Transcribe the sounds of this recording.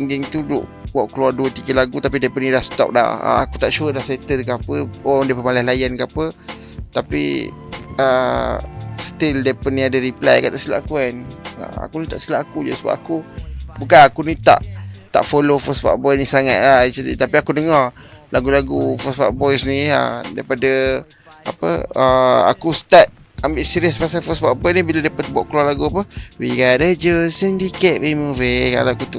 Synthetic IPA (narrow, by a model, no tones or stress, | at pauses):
iŋɡiŋt̪udʊ̰ʔwaʔkəluarduət̪ikəlaɡut̪apidapənilahst̪ɔ̰p̚la̰hə̰a̰kut̪aʔʃuəlahset̪əkaapəɔndepəmalahlajankaapə | t̪apḭ | ə | st̪ildapənːiadəɾipla̰jkant̪aʔst̪ila̰ʔakuana̰a̰kunit̪aʔst̪ilaʔakud͡ʒasəba̰pakubukanakunit̪a̰ʔt̪a̰ʔfolofɔsba̰ʔbɔjnisaŋat̪̚lait͡ʃədḭt̪apiakudəŋarlaɡulaɡufɔsba̰ʔbɔjsniə̰daɾipadə | a̰pə̰əa̰kust̪at̪̚ | ambɪʔsiɾiəspasajfɔsbaʔbɔnibiladapət̪bɔʔklalaɡuapəwikadəd͡ʒəsəndikɛʔ̪memuveka̰ɾaakut̪uʔ